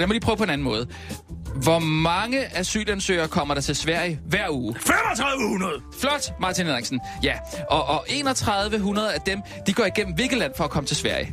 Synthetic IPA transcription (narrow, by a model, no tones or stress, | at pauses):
jæmɔlipʰʁœʊpʰɒ̽e̝næn̩mɔ̽ːð̞̩ˠ | ʋɒmɑ̈ŋəʔæsy̰ːlænsø̰ːɐkʰɒ̽m̰ɐɾ̥ɑ̈t͡sʰe̝lsʋæɐ̰jəʋæɐ̰uːfemɒt͡sʰʁäðˠʋəhunɐðˠ | flɒ̽d̥mɑ̈ːt͡sʰinˠeŋsn̩ | jæʔɒʔɒʔe̝ːnɒt͡sʰʁɑ̈ðˠʋəɦunɐð̞ˠæd̥em | d̥iɡ̥ɒ̰ːiɡ̥en̰m̩ʋe̝lɡ̥ð̩ˠlæn̰fɒ̽ːkʰɒ̽mət͡sʰe̝sʋæɐ̰jə